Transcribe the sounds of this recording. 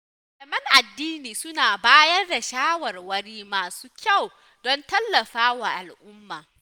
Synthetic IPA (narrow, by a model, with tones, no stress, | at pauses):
lɐ˨mɐ˦ŋʔa˨dːiː˦niː˨sʊ˦naː˨baː˦jɐ˦rda˨ʃaː˦wɐ˨rwɐ˦ɽiː˦maː˨su̥ː˦kʲa˦˨w | dɔ˦ntɐ˦lːɐ˨ɸaː˦wa˨ʔa˨lʔʊ˦mːaː˨